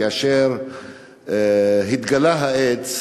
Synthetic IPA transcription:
aʃeʁ | ɦit̪ɡalaɦaet͡s

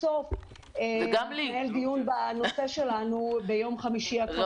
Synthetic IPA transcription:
of | eɡeld̪ijunbano̞se̞ʃe̞lanube̞jo̞mχamiʃiakv

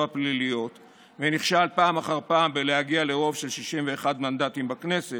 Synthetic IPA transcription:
aplilijo̞t̪ | veniχʃalpaːmaχaʁpaːmbelehaɡiale̞ʁo̞vʃe̞lʃiʃimveːχadmand̪atimbakne̞se

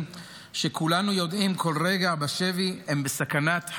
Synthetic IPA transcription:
ʃekʰulanujo̞d̪imkʰo̞lʁeɡabaʃeviembesakanat̪h

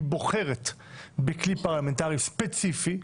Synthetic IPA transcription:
boχeʁet̪ | beklipaʁlamẽnt̪aʁispet͡sifi

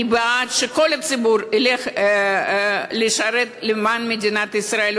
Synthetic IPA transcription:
ibeat̪ʃeko̞lhat͡sibuɾileχ | leʃaɾet̪lemanmed̪ʲinat̪isɾael

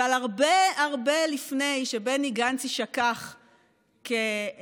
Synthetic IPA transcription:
alaʁbeaʁbe̞lifne̞jʃebeniɡant͡siʃakaχ | ke

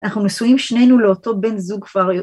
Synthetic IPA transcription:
anaχnunesujimʃne̞jnuleoto̞be̞nzuɡkv̥aʁjo

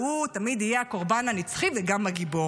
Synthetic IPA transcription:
ut̪amid̪ijeako̞ʁbananit͡sχiveɡamaɡibo̞

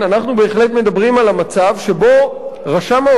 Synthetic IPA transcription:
anaχnube̞ːχle̞tme̞dabʁimalamat͡savʃe̞bo̞ʁaʃama

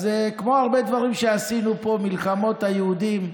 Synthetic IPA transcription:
zekmo̞aʁbed̪vaʁimʃe̞asinupo̞milχamo̞t̪hajeud̪im

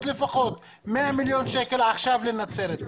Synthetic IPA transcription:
t̪lefaxot̪ | meʔamiljonʃekelʕaxʃavlɪnat͡seɾet̪

